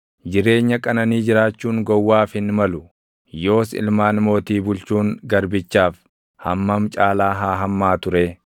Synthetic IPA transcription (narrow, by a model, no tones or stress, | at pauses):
d͡ʒɪɾe̞ːɲːɐkʼɐnɐniːd͡ʒɪɾaːt͡ʃːuːŋɡɔwːaːfɪnmɐlʊ | jo̞ːsɪ̰lmaːnmo̞ːt̪iːbʊlt͡ʃuːŋɡɐɾbɪt͡ʃːaːf | hɐ̰mːɐmt͡ʃʼaːlaːɦaːɦɐmːaːt̪ʊɾeː